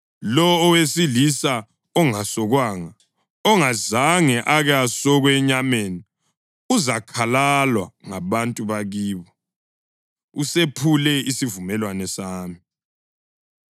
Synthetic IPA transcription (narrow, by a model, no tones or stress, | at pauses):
lɔːwesilisa | ɔŋasɔɣwaːŋa | ɔŋazaŋɛʔaɣjasɔɣwɛɲameːni | uzakʰalalwa̰ŋaβantʼuβaɣiːβɔ | usepʰulɛisivumɛlwanɛsaːmi